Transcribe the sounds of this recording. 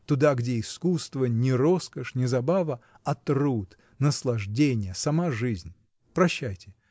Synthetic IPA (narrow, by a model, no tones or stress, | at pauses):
t̪ʊd̪aɡdʲeɪskust̪vənʲɪɾo̞skəʂnʲɪzɐbavə | ɐt̪rut̪ | nəslˠɐʐdʲenʲɪjəsɐmaʐɨzʲnʲ | pɾɐɕːæjtʲɪ